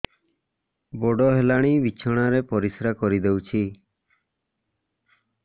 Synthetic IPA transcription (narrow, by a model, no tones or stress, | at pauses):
bɔɖɔɦelaɽ̃ibit͡ʃʰɔɽ̃aɾepɔɾisɾakɔɾid̪ewt͡ʃʰi